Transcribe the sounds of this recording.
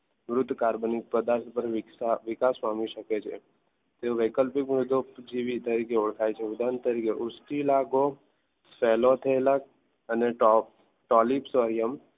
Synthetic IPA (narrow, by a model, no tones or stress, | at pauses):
mɾʊt̪ːkaɾbonipəd̪aɾt̪ʰpəɾʋaʋɪkaspamiʃəket͡ʃʰḛ | t̪eoʋəkəlpɪkmʊɾd̪ʱod͡ʒiʋit̪əɾikeʊɭkʰajt͡ʃʰeud̪ant̪əɾikeʔʊsʈilaɡo | fɛlot̪ʰəelak | əneʈɔp | ʈɔlipsoɾijəm